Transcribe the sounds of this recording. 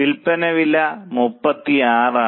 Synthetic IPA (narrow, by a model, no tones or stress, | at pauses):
ilpːɐnɐʋilːɐmupːɐt̪ːiaːraː